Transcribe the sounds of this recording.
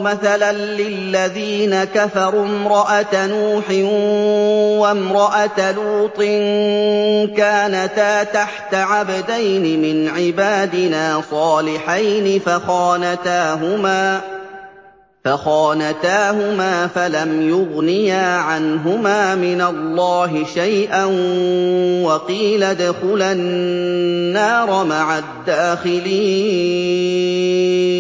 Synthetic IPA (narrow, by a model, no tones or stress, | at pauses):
maθalanlɪlːaðiːnakafɑɾˤuːmɾˤɑʔat̪anuːħɪ | wamɾˤɑʔat̪aluːt̪ˤɨn | kaːnat̪aːt̪aħt̪aʕabad̪ajnɪmɪnʕɪbaːd̪ɪnaːsˤɑːlɪħajnɪfaxɑːnat̪aːɦʊmaː | faxɑːnat̪aːhʊmaːfalamjʊɣnɪjaːʕanɦʊmaːmɪnalːɑːɦɪʃajʔan | wɑqiːlad̪ʊxʊlanː | aːɾˤɑmaʕad̪ːaːxɪliː